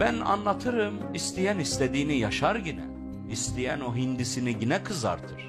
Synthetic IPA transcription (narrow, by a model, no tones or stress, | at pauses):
b̥æna̰nlˠat̪ʰɯɾɯmist̪ʰijænist̪ʰed̪iːnijaʃaɾɟinɛ̰ | ist̪ʰijæno̞ɦind̪isiniɟinɛkʰɯza̰ɾt̪ʰɯɾ̥